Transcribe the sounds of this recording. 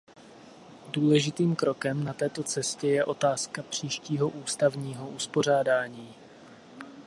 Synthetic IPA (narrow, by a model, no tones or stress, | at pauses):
duːlɛʒɪt̪iːmkɾo̞kɛmnat̪ɛːt̪o̞t͡sɛscɛjɛʔo̞t̪aːskapr̝̥iːʃciːɦo̞ʔuːst̪avɲiːɦo̞ʔuspo̞r̝aːdaːɲiː